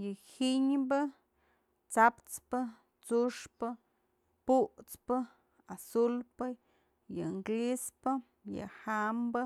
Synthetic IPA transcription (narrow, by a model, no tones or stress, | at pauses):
jɨhiɲbɨ | t͡sapt͡spɨ | t͡suʂpɨ | puʔt͡spɨ | asulpə | jɨŋɡlispɨ | jɨ̰hambɨ